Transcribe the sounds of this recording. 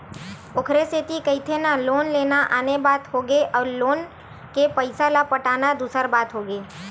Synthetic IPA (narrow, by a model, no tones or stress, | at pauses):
okʰɾeset̪ikəit̪ʰenaloːnleːnaʔaːnebaːt̪ɦoɡeʔɔːɾloːn | kepəɪsalapəʈaːnad̪usəɾbaːt̪ɦoːɡeː